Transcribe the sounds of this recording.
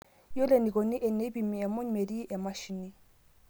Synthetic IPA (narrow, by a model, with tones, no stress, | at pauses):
jo˦le˨ni˨kʼɔ˨nɪ˦ʔɛ˨ne˦bi˨mi˨ja˨mo˦ɲ˨me˨di˦ja˨ma˦ʃi˨ni˦